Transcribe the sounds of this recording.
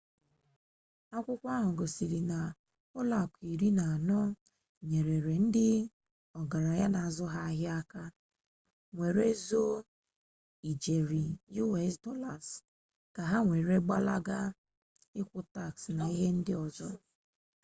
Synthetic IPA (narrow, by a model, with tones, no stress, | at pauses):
a˦kʷʊ˦kʷa˦ɦʊ˨ɡo˨si˨ɾi˨na˨ | ʊ˦la˨kʷi˨ɾi˦na˨a˨nɔ˦ | ɲe˨ɾe˨ɾe˨n̩˦dɪ˦ | ɔ˨ɡa˨ɾa˨ja˦na˨a˨zɔ˦ɦa˦ɦja˦ka˦ | ŋʷe˨ɾe˦zo˦ | i˨d͡ʒe˨ɾi˨ju˦ɛ˦sdɔ˦la˨s | ka˨ɦa˦ŋʷe˨ɾe˦ɡ͡ba˦la˦ɡa˦ | ɪ˦kʷʊ˦ta˦˨ksna˨i˦ɦe˦n̩˦dɪ˦ɔ˨zɔ˦